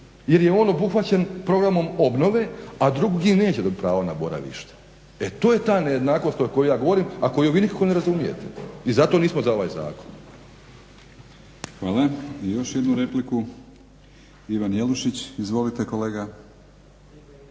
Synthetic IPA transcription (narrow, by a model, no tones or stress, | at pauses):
je̞ɾjeo̞ːno̞buxʋat͡ɕenpɾo̞ɡɾamo̞mo̞bno̞ʋe̞ad̪ɾuɡɡimne̞ːt͡ɕed̪ot̪̚pɾaːʋonabo̞ɾa̰ʋḭʃt̪ḁ | e̞t̪o̞ːje̞t̪aːneje̞d̪naːko̞st̪ojko̞jujaːɡo̞ʋo̞ɾimako̞juʋiːnikakone̞ɾazumije̞̰t̪e̞izat̪oniːsmozao̞ʋaːjza̰ːkon | xʋaːlˠaijo̞ʃjed̪nuɾe̞pliku | iʋanjeluʃit͡ɕizʋo̞lit̪eko̞leːɡa